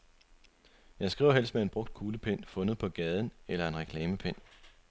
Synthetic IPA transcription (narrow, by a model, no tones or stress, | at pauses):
jɑ̈ɪsɡ̥ʁḭʊ̰ɦel̰sd̥mee̝nb̥ʁɔ̽ɡ̥̚d̥̚kʰuːləpʰen̰fɔ̽nð̞̩ˠpʰɒ̽ɡ̥ɛð̞ˠn̩elɐe̝nʁɛkʰlɛːməpʰen̰